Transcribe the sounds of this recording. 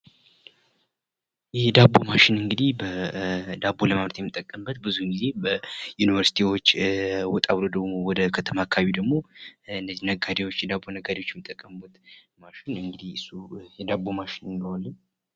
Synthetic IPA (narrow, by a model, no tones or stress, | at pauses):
jɛd̪abːo̞maʃɪnɨŋɡɨd̪ihbəd̪abːo̞ləmaβɾət̪jɛmɨt̪ʼːəkʼːəmbət̪̚bɨzuɨŋɡize̞bəjunivəɾsi̥t̪ʰiwo̞t͡ʃːwɔt̪ʼaβlod̪əɡmo̞wɔd̪əkʰət̪ʰəmakʰaβid̪əɡmo̞ɨnːəzːinəɡad̪ewo̞t͡ʃːjɛd̪abːo̞nəɡad̪ewot͡ʃːjɛmːɨt̪ʼːəkʼːəmbət̪ | maʃɪnɨŋɡɨd̪iɨsujɛd̪abo̞maʃɪnɨnd̪əwalːəɲ